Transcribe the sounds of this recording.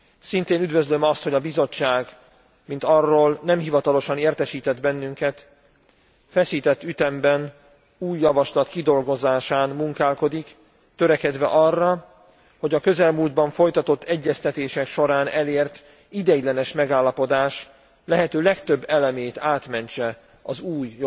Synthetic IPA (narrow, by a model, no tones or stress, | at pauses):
sint̪eːnyd̪vø̞zlø̞mɒst̪ho̞ɟɒbizo̞t͡ʃːaːɡ | mint̪ɒrːoːlnɛmɦivɒt̪ɒlo̞ʃɒneːrt̪ɛʃiːt̪ɛd̪bɛnːyŋkɛt̪ | fɛsiːt̪ɛt̪ːyt̪ɛmbɛn | uːjːɒvɒʃlɒt̪kid̪o̞lɡo̞zaːʃaːnmuŋkaːlko̞d̪ik | t̪ø̞ɾɛkɛd̪ʋɛ̰ʔɒrːɒ | ho̞ɟɒkø̞zɛlmuːld̪bɒɱfo̞jt̪ɒt̪o̞t̪ːɛɟːɛst̪ɛt̪eːʃɛkʃo̞ɾaːnɛleːrt̪ | id̪ɛjilɛnɛʃmɛɡaːlːɒpo̞d̪aːʃ | lɛɦɛt̪øːlɛkt̪ø̞bːɛlɛmeːjt̪aːt̪mɛɲt͡ʃɛ | ɒzuːj